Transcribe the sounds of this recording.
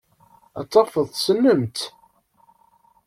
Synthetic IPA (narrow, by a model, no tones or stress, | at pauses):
ɑ̰t͡sˤːɑfəðˤsənːəmt̪